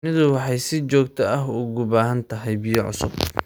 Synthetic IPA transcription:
mɪðʊwɑħɑjsɪt͡ʃɔːɡt̪ʰɐʔɐɦʊɣʊbaːɦɐnt̪ʰɐɦɛjbɪjʕʊ̰sʊ̰b

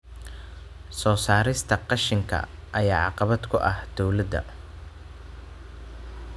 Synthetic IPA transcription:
sɔːsaːɾɪst̪ʰɐqɑʃɪŋkʰɐ̰ | ʔɐjaːʕɑqɑβɐd̪kʰʊʔɐhd̪̥ɔwlɐd̪ɐ̰

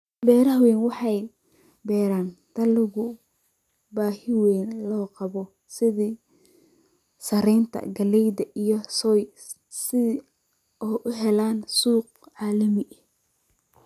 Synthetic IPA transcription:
bɛːɾɐɦwɛːnwɑħɑj | bɛːɾaːnd̪̥ɐlɪɣʊ | baːhɪwɛːnlɔːqɑβɔ | sɪðiː | sɐɾɛjnt̪ʰɐ̰ɡɐlɛjd̪ɐʔijɞsɔːj | sɪ | ɔːʔʊɦɛlaːnsuːq̚ | ʕɑːlɐmɪʔ

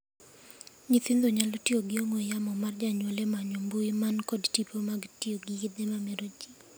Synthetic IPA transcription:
ɲiθind̪oɲalotioɡɪomwojamɔmard͡ʒaɲwolemaɲombuɪmankɔdtipʰomaɡtioɡɪɪd̪emameɾod͡ʒi

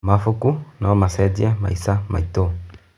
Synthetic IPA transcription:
mafukunaɔmasɛdiama̰isamʔa̰itɔ

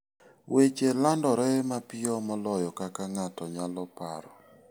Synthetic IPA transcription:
wet͡ʃelandɔɾɛmapɪɔmɔlɔjɔkakaŋatɔɲalɔpa̰ɾɔ̰

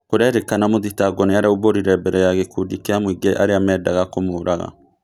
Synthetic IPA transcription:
koɾɛɾekanamoðitaɡɔneaɾauβoɾiɾɛbɛɾɛjaɣekudikeamwiɡeʔaɾeamɛːdaɣakomoːɾaɣa̰

